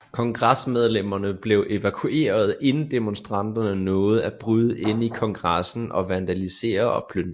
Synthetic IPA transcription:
kʰɒ̽ŋɡ̥ʁasmeð̞ˠlem̰ɐnəb̥le̝ʊʔe̝ʋækʰue̝̰ːɐð̞ˠe̝nn̩d̥e̝monsd̥ʁɑ̈n̰d̥ɐnənɔ̽ːð̞̩ˠæb̥ʁyð̞ˠəe̝n̰ikʰɒ̽ŋɡ̥ʁasn̩ʔɒ̽ʋænd̥ælise̝̰ːɐɒ̽pʰløn

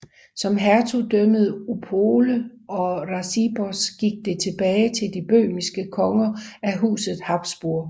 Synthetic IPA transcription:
sɒ̽mɦæɐt͡sʰud̥œməð̩ˠupʰoːləɒ̽ʁɑsib̥ɒsɡ̥iɡ̥̚d̥e̝t͡sʰe̝b̥ɛːɪt͡sʰe̝ld̥ib̥ø̰ːmisɡ̥əkʰɒ̽ŋɐæɦṵːsð̞̩ˠhɑ̈b̥sb̥uɐ̰

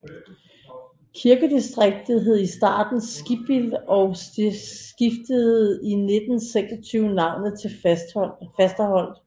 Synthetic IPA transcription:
kʰiɐɡ̥əd̥isd̥ʁeɡ̥̚d̥ð̩ˠɦe̝ð̰ˠisd̥ɑ̰̈ːd̥n̩sɡ̥ib̥ilɒ̽ʊ | ɡ̥ifd̥əð̩ˠine̝d̥n̩seɡ̥sɒt͡sʰyːʊnɑ̈ʊ̰nð̩ˠt͡sʰe̝l | fæsd̥æhɒ̽l̰d̥

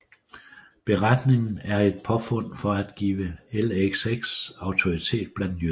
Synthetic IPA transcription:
b̥e̝ʁɑd̥ne̝ŋn̩æɐe̝d̥̚pʰɒ̽fɔ̽n̰fɒ̽æd̥ɡ̥ḭːʋəeleɡ̥seɡ̥sɑ̈ʊt͡sʰo̝it͡sʰe̝̰ːd̥̚b̥læn̰d̥ny

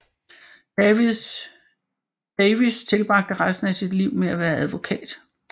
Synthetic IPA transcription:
d̥ɛɪʋist͡sʰe̝lb̥ʁɑ̈ɡ̥̚d̥əʁɑ̈ɪsn̩æsid̥liʊ̰meæʋæːɐʔæðˠʋo̝kʰɛ̰ːd̥

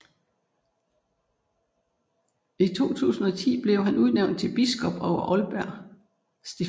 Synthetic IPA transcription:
it͡sʰo̝̰ːt͡sʰṵːsn̩ɒt͡sʰḭːb̥le̝ʊɦænuð̞ˠneʊnd̥̚t͡sʰe̝lb̥isɡ̥ɒ̽b̥ɒʊɐʔɒ̽lb̥æɐ̰ | sd̥e̝

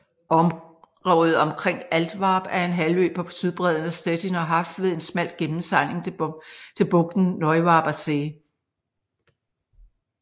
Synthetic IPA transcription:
ʔɒ̽m | ʁɒʊð̩ˠɒ̽mkʰʁeŋ̰æld̥ʋɑ̈ːb̥æɐe̝nɦælø̰̥ːpʰɒ̽sʰyðˠb̥ʁɛð̰ˠənæsd̥ed̥inɒɦɑ̈fd̥ʋe̝ðˠe̝nsmæl̰d̥̚ɡ̥emn̩sɑ̈ne̝ŋt͡sʰe̝lb̥ɔ̽ɡ̥̚d̥n̩nɒɪʋɑ̈ːb̥æseː

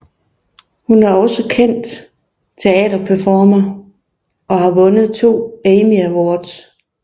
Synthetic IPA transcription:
hunæɐɒ̽səkʰen̰d̥ | t͡sʰe̝ɛ̰ːd̥ɐpʰæfɒːmɐ | ɒ̽hɑ̈ʋɔ̽nəð̩ˠt͡sʰo̝̰ːeɪmiæwɒːd̥s

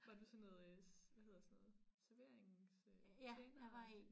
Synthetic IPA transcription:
ʋɑ̈d̥usɔnːɔːðˠʋæhe̝ðˠɐsnɔːð̩ˠsæɐʋe̝ɐ̰eŋsøenʋɑḛ

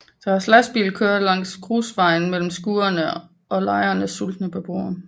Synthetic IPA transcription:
d̥ɒhɑslæsb̥ḭːl̩kʰøːɐdˠlɑ̈ŋ̰skʰʁuːsʋɑ̈ɪ̰n̩mel̰m̩sɡ̥uːɐnə | ʔɒ̽lɑ̈ɪɐnəsul̰d̥nəpʰɒb̥o̝ːɐn

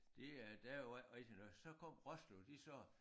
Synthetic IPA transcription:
d̥e̝d̥æjoʁed̥inɔ̽ðˠsɒ̽kʰɒm̰ʁɒslod̥isɒ̽

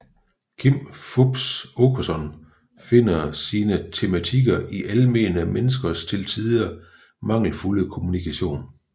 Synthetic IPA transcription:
kʰim̰fob̥sokʰosɒ̽n | fe̝n̰ɐsiːnət͡sʰe̝mæt͡sʰiɡ̥ɐʔiʔælme̝ːnəmenəsɡ̥ɐst͡sʰe̝lt͡sʰiðˠiɐ | mɑ̈ŋ̰l̩fuləkʰo̝munikʰæɕo̝̰ːn

